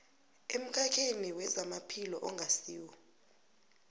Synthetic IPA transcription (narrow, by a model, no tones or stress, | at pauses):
em̩k̬ʰʼakʰeniwɛzamapʰilɔʔɔŋʱasiːwɔ